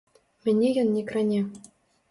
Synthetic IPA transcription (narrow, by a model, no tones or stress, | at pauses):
mʲɘ̆nʲːejɤnːʲekrɘnʲe